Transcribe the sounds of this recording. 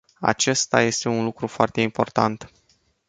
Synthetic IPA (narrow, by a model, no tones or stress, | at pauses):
a̰t͡ʃe̞st̪a̰je̞st̪e̞unlukɾufoart̪e̞impo̞rt̪a̰nt̪